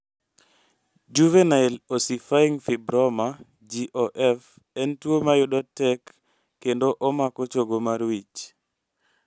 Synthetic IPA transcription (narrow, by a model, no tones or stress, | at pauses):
d͡ʒuvenaɛlosifaiŋfibɾɔma | d͡ʒiʔoʔɛf | ɛntwomajʊdɔtɛkː | endoʔɔmakɔt͡ʃoɡomaɾwit͡ʃ